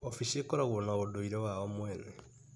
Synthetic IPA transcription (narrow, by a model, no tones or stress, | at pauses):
ofiʃikoɾaɣunaɣodoiɾewaβomweːne